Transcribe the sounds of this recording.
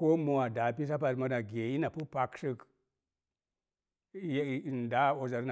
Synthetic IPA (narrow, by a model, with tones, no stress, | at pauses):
ko˦mo˨wa˨da˨pi˦s̬a˦p̬a˨tma˨da˨ɡʲe˨ji˦na˨pu˦pa˨ksɨ˦k | jn˨da˨˦o˨za˨ɾna˨